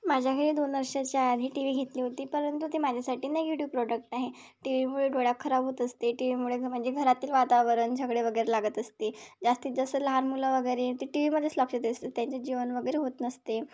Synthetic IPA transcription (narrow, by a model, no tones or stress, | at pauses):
mad͡ʑʱjakʰəɾiːd̪onʋəɾʂat͡ɕjaad̪ʱiːʈiʋiːɡʱet̪liːɦot̪iːpəɾənt̪ut̪emad͡ʑʱjasaʈiːnajuʈjub̚pɾoɖək̚ʈaɦe | ʈiʋimuɭeɖʱoɽjakʰːəɾabʱɦot̪əst̪eʈiʋimuɭeməɳd͡zeɡʱəɾat̪iːlʋat̪aʋəɾənd͡ʑʱəkɽeʋəɡəjɾelaɡət̪əst̪ed͡zast̪iːt̪d͡zəsələɦaɾmuləʋəɡəjɾet̪iʈiʋiməd̪ʱːeslɔkʂet̪est̪et̪jaɲt͡ɕad͡ʑiʋənʋəɡəjɾeɦot̪nəst̪e